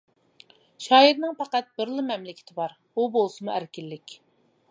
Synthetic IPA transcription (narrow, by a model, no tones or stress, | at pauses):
ʃɑːiɾnɪŋpɑqæt̪̚bɪɾlˠɨmɛmlɪkʲʰɪ̥t̪ʰɪbɑɾ | ubolˠsɨmuæɾkʲilːɪkʲ